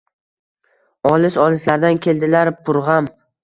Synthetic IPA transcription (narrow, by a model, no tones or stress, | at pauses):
ɒlˠɪʃɒlˠɪslaɾd̪ankʲʰe̞ld̪ɪlaɾpʰʊɾʁɑm